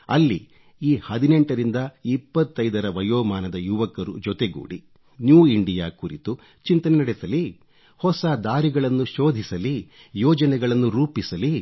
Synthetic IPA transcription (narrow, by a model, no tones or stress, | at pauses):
ɐlːḭ | iːhɐd̪ine̞ɳʈɐɾind̪ɐipːɐt̪ːɐjd̪ɐɾɐʋɐjoːmaːnɐd̪ɐjuʋɐkːɐɾṵd͡ʒɔt̪eɡṵːɽḭ | njuːiɳɖijaːkuɾit̪u | t͡ʃint̪ɐnɛnɐɽɛsɐli | hɔsad̪aːɾiɡɐɭɐnːuʃoːd̪ʱisɐli | jɔːd͡ʒɐnɛɡɐɭɐnːuɾuːpisɐli